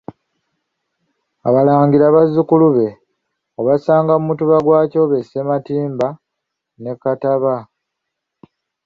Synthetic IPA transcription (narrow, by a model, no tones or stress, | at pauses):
a̰βalaːŋɡiɾaβazːukuluβe̞ | oβasaːŋɡamumutuβaɡwaːco̞βesematiːmba | ne̞kataβa